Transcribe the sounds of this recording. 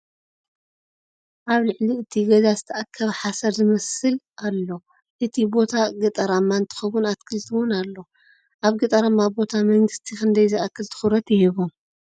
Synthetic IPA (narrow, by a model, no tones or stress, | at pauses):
ʔaβlɨʕliɨt̪ʰiɡɐzazɨt̪ʰɐʔakʰːɐβħasɐɾzɨmɐsɨlʔalːo̞ | ʔɨt̪ʰibo̞t̪ʰaɡɨt̪ʼɐɾamːaɨnt̪ʰɨ̥xɐwʊnat̪̚kʰɨlt̪ʰɨwʊnalːo̞ | ʔaβɡɨt̪ʼɐɾamːabo̞t̪ʰamɐŋɡɨst̪ʰixɨnd̪ɐjzɨʔakʰːɨlt̪ʰɨ̥xuɾɐt̪jɪhiβom